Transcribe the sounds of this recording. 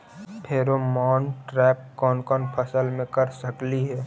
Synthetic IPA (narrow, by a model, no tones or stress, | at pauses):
pʰeːɾomɔːnʈɾɛːp̚kɔːnkɔːnpʰɐsəlmẽkɐɾsəkliɦɛː